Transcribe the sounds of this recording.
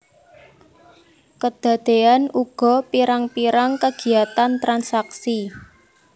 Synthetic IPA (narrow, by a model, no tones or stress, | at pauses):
kəd̪̥a̤d̪̥e̤anuɡ̥ɔ̤piɾaŋpiɾaŋkəɡ̥i̤at̪ant̪ɾansaksi